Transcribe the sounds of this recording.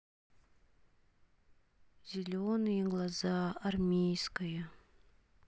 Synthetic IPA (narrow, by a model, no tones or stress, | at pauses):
z̥ʲɪlʲonɨjəɡlˠazɑɐrmʲejskəjə